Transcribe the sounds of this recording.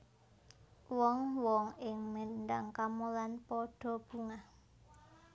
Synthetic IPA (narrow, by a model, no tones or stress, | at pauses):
wɔŋwɔŋɪŋməndaŋkamulanpɔɖ̥ɔ̤b̥ṳŋa